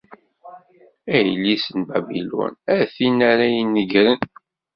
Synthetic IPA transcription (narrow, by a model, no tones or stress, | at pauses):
æjlːisənbæbilṵnæθinæɾæjənːəɡɾən